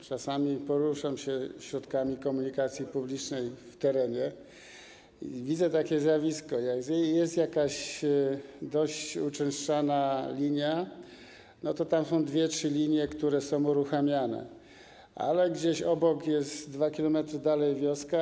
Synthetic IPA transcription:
t͡ʂasamʲipɔɾuʂamɕɛɕɾɔt̪kamʲikɔmuɲikat̪sʲjipublʲit͡ʂnɛjft̪ɛɾɛɲɛ | vʲid̪zɛt̪akʲɛzʲjavʲiskɔjaɡzɛjɛst̪jakaɕ | d̪ɔɕt͡ɕut͡ʂɛ̃ʂt͡ʂanalʲiɲja | nɔt̪ɔt̪amsɔ̃w̃d̪vʲjɛtʂɘlʲiɲjɛkt̪uɾɛsɔ̃w̃uɾuxamʲjanɛ̰ | ʔa̰lɛɡd͡ʑeɕɔbɔkjɛst̪d̪vakʲilɔmɛt̪ɾɘd̪alɛjvʲjɔska

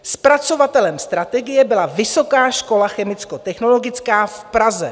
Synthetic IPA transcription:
spɾat͡so̞vat̪ɛlɛmst̪ɾat̪ɛɡɪjɛbɪlavɪso̞kaːʃko̞laxɛmɪt͡skot̪ɛxno̞lo̞ɡɪt͡skaːfpɾazɛ̰

